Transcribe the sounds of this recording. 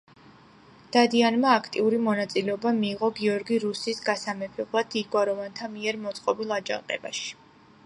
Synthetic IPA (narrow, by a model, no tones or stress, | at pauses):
d̪̥ad̪ianmaːkʰt̪ʼiuɾimɔnat̪sʼilɛɔbamiːʁɔɡiɔɾɡiɾusisɡasamɛpʰɛblˠad̪iɡwaɾɔvant̪ʰamiɛɾmɔt̪sʼqʼɔbilˠad͡ʒa̰ŋqʼɛ̰ba̰ʃi̥